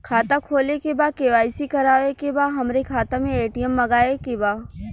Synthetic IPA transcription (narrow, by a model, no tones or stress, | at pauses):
kʰaːt̪akʰoːlekebaːkeːʋaːɪsikɐɾaːʋekebaːɦɐmɾekʰaːt̪amẽeːʈijəmːɐɡaːekebaː